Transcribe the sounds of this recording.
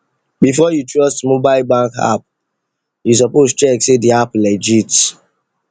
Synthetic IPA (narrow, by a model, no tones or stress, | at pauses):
bifɔjutɹɔstmobaɪlbãŋka̰p̚ | jus̬ɔpozt͡ʃɹɛksediaplɛd͡ʒit